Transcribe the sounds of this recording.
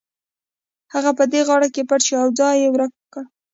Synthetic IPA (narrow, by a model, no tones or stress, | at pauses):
haɣapəd̪eɣɑɽakepaʈt͡ʃiawd͡zɑjewɾakwəkəɽ